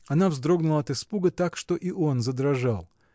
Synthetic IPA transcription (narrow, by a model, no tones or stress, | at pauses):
ɐnavzd̪ɾo̞ɡnʊlˠəɐt̪ɨspuɡət̪akʂt̪o̞ʔiʔonzəd̪ɾɐʐalˠ